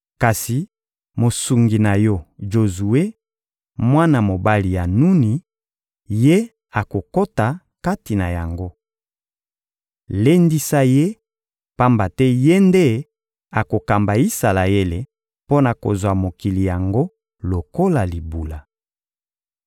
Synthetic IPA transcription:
ka˨si˨ | mo˨su˨ŋɡi˨na˨jɔ˦ʒo˨zu˨e˦ | mwa˦na˨mo˨ba˦li˨ja˨nu˦ni˨ | je˦ | a˨ko˨ko˦ta˨ | ka˦ti˨na˨ja˨ŋɡo˦ | le˦ndi˦sa˦je˦ | pa˦mba˨tɛ˦je˦nde˦ | a˨ko˨ka˨mba˨i˦sa˨la˨e˦le˨ | po˦na˨ko̰˨zwa˨mo˨ki˨li˨ja˨ŋɡo˦ | lo˨ko˦la˨li˨bu˨la˨

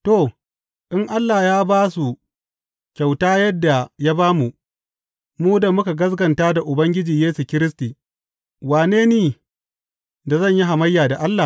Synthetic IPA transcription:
to˦˨ | ʔɪ˦ŋʔa˦lːa˨jaː˦baː˦su˨ | kʲa˨wtaː˦jɐ˦dːa˨ja˦baː˦mu˨ʔ | muː˦da˨mʊ˦ka˨ɡɐ˦s̬ɡɐ˨ntaː˦da˨ʔʊ˨bɐ˦ŋɡʲɪ˦d͡ʒiː˨jeː˦su˨kʲɪ˦ɾɪ˦stiː˨ | waː˨neː˦neː˨ | da˨zɐ˦˨ɲji˦ɦa˨mɐ˦jːaː˨da˨ʔa˦lːa˨

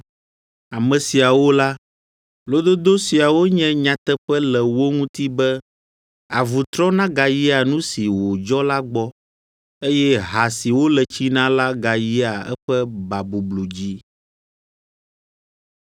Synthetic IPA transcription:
a˨mɛ̃˨si˨a˨wo˦la˦ | lo˦d̪o˦d̪o˦si˨a˨wo˦ɲɛ̃˦ɲã˨t̪ɛ˦ɸɛ˦lɛ˨wo˦ŋũ˦t̪i˦bɛ˦ | a˨vu˨t̪ɾɔ˦nã˦ɡa˨ji˦a˨nũ˦si˨wo˨d͡ʒɔ˦la˦ɡ͡bɔ˦ | e˦jɛ˦ɦa˨si˨wo˦lɛ˨t͡ɕi˦nã˦la˦ɡa˨ji˦a˨ɛ̰˦ɸɛ˦ba˨bu˨blu˨d͡ʑi˦

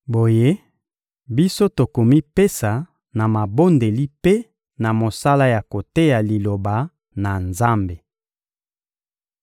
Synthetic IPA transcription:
bo˨je˦ | bi˦so˦to˨ko˨mi˦pe˦sa˨ | na˨ma˨bo˦nde˨li˦pe˦ | na˨mo˨sa˦la˦ja˨ko˨te˦ja˨li˨lo˨ba˨ | na˨nza˦mbe˨

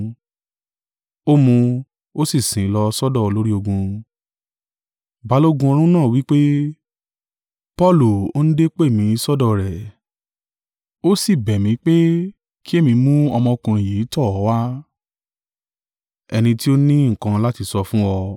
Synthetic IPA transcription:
o˦mũ˧ | o˦si˦˨sĩ˨˦lɔ˧sɔ˦dɔ˦˨o˧lo˦ɾi˦o˧ɡũ˧ | ba˨˦lo˦ɡũ˧o˧ɾ̃ũ˦nãː˦˨wi˦k͡pe˦ | pɔ˦˨lu˨o˦n̩˦de˦k͡pe˦˨mĩ˨˦˧sɔ˦dɔ˦˨ɾɛ˨ | o˦si˦˨bɛ˨mĩ˨˦k͡pe˦ | ki˦e˦˨mĩ˧mũ˦ɔ˧mɔ̃˧kã˨i˨je˨˦tɔ˦˨ɔ˨˦wa˦ | ɛ˧nĩ˧ti˦o˦nĩ˦ŋ̩˨kã˧la˦ti˧sɔ˧fũ˦ɔ˧

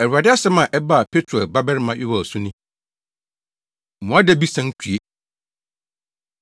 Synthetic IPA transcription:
ɛ˨u˨a˨dɪ˦a˦sɛ˦mã˨ʔɛ˦ba˦a˨pʰe˦tʰɾo˨ɛ˨ba˦bɛ˦ɾmã˨˦jʔɪ˦wɔ˨sũ˦nĩ˦˨ | mũ˨a˦dɛ˦bi˦sã˦ŋ˦kʰu˨e˦

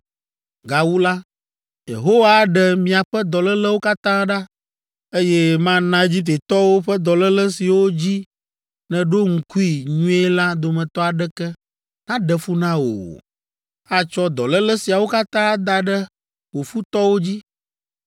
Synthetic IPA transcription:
ɡa˨wu˦la˦ | jḛ˨ɦo˦wa˦ɖɛ˨mĩ˨a˨ɸɛ˦d̪ɔ˨lɛ˦lɛ˦wo˦ka˦t̪ã˦ɖa˦ | e˦jɛ˦mã˦nã˦e˦d͡ʑi˦t̪̬e˨t̪ɔ˦wo˦ɸɛ˦d̪ɔ˨lɛ˦lɛ˦si˨wo˦d͡ʑi˦ | nɛ̃˨ɖo˦ŋ̩˨ku˦i˨ɲũ˦ɛ˦la˦d̪o˨mɛ̃˨t̪ɔ˦a˨ɖɛ˦kɛ˦ | nã˦ɖɛ˨fu˦nã˦wo̰˨ | a˦t͡ʃɔ˦d̪ɔ˨lɛ˦lɛ˦si˨a˨wo˦ka˦t̪ã˦d̪a˨ɖɛ˦ | wo˨fu˦t̪ɔ˦wo˦d͡ʑi˦

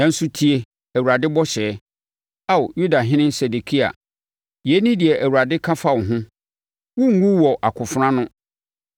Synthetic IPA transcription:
nã˨n̩˦su˦tʰi˦e˨ | æ˨wu˨ɾa˨dɪ˦bɔ˦ɕɛː˨˦ | a˦wju˦da˨ɦɪ̃˦nɪ̃˦n˦sɛ˨de˨kʰi˦a̰˨ | je˨˦nĩ˦di˨ɛ˨ʔæ˨wu˨ɾa˨dɪ˦kʰã˦fa˦˨wʊ˨ɦʊ̃˦ | wũ˦ŋ̩˦ɡũ˦wɔ˨ʔa˨kʰʊ˨fʊ˦ɾã˦nʊ̃˦

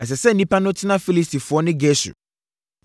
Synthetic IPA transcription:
ɛ˨s̬ɛ˨sɛ˦˨nĩ˦pã˦nʊ̃˦tʰɪ˦nã˦fi˦li˦sti˨fʊ˨ɔ˦nɪ̃˦ɡɛ˦sṵ˨

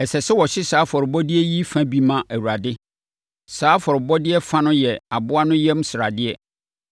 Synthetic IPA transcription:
ɛ˨sɛ˨sɛ˦wɔ˨ɕɪ˦saː˨˦fɔ˨ɾɪ˨bɔ˦dɪ˦ɛ˦ji˦fã˦bi˦mã˨ʔæ˨wu˨ɾa˨dɪ˦ | saː˨˦fɔ˨ɾɪ˨bɔ˦dɪ˦ɛ˦fã˦nʊ̃˦jɛ˨a˨bʊ˦a˦nʊ̃˦jɛ˦m˦sɪ˨ɾa˨dɪ˦ɛ˨

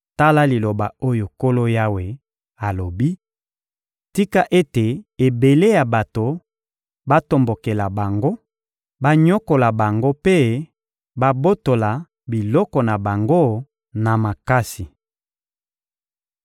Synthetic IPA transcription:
ta˦la˦li˨lo˨ba˨o˦jo˨ko˦lo˦ja˦we˨ | a˨lo˨bi˦ | ti˦ka˦ʔe˦te˨e˨be˨le˦ja˨ba˨to˨ | ba˦to˨mbo˨ke˨la˨ba˨ŋɡo˦ | ba˦ɲɔ˦ko˨la˨ba˨ŋɡo˦pe˦ | ba˦bo˦to˨la˨ | bi˨lɔ˦kɔ˨na˨ba˨ŋɡo˦ | na˨ma˨ka˦si˨

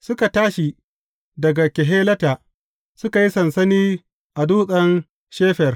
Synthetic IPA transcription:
sʊ˦ka˨taː˦ʃi˨ | dɐ˨ɡa˨kʲe˨ɦeː˦lɐ˦taː˨ | sʊ˦ka˨ji˦sɐ˨nsɐ˦niː˦ | ʔa˨duː˦sʼɐ˦n | ʃeː˦ɸɛ˨r

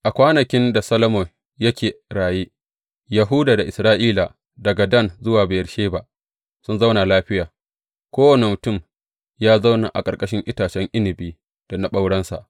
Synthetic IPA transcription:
ʔa˨kʷaː˦nɐ˨kʲɪ˦nda˨sɐ˦lɐ˦mo˨ | jɐ˦kʲeː˨ɽaː˨jiː˦ | jɐ˨ɦʊ˦daː˨da˨ʔɪ˨sɾaː˦ʔiː˦la˨ | dɐ˨ɡa˨dɐ˦˨nzʊ˦waː˨be˨ɐ˨ɾʃeː˦ba˨ | sʊ˦nza˦wna˨laː˦ɸɪ˦jaː˨ | kʷoː˦wɐ˨ne˨mʊ˨tʊ˦˨m | jaː˦za˦wna̰˨ʔa̰˨kʼɐ˨rkʼɐ˦ʃɪ˦ŋʔɪ˦taː˨t͡ʃɛ˦ŋʔɪ˦nɪ˨biː˦ | d̥a˨na˨ɓa˦wɽɐ˦nsa̰˨ʔ

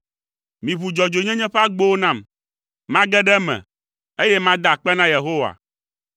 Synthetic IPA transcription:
mĩ˨βu˨d͡ʒɔ˨d͡ʒo˨ɲɛ̃˦ɲɛ̃˦ɸɛ˦a˦ɡ͡bo˦o˦nã˦˨m | mã˦ɡɛ˦ɖɛ˦mɛ̰̃˨ | e˦jɛ˦mã˦d̪a˦˨k͡pɛ˦nã˦je˨ɦo˦wa̰˨

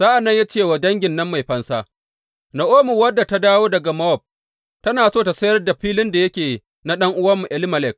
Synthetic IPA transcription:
zaː˦ʔa˨nːɐ˦ɲja˦t͡ʃeː˦˨wa˨dɐ˦ŋɡʲɪ˨nːɐ˦mːa˨jɸɐ˦nsa˦ | nɐ˨ʔoː˦mʊ˨wɐ˦dːa˨ta˦daː˦woː˦dɐ˨ɡa˨mɐ˦wɔ˦˨b̚ | tɐ˦naː˨soː˦˨ta˨sɐ˦jɐ˦rda˨ɸiː˦lɪ˦nda˨jɐ˦kʲeː˨ | na˦ɗɐ˦ŋʔʊ˦wɐ˦mːu˨ʔɛ˦lɪ˦mɐ˨lɛ˨k̚

